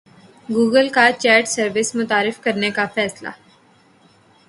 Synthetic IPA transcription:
ɡuːɡəlkat͡ʃɛːɾʈsəɾʋɪsmʊt̪aːɾɪfkɐɾnekafɛːsla̰

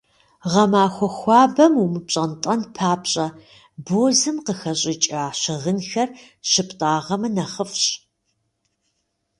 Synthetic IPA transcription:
ʁɐmaːxʷɔxʷɑːbɐmumɨpɕʼɐntʼɐnpʰaːpɕʼɐ | boːzɨmqəxɐɕʼɪt͡ʃʼaːɕɪʁənxɐr | ɕɪpʰtʼaːʁɐmɨnɐχəfɕʼ

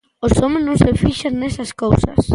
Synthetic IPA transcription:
ʊsomɪsnõŋsefiʃaznesɐskowsɐ̰s

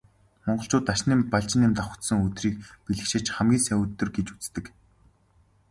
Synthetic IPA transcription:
mɔɴɢɞ̆ɬt͡ɕʊːt̪ːaʃniːmpaɮt͡ɕɪ̆niːmt̪aχə̥̆t̪sə̆ŋɵt̪riːk̚piɮɘ̆kʃɪ̆t͡ɕχæmɡʲiːŋsæwɘt̪ːɵ̆rɡet͡ɕu̥t͡st̪ɘ̆k

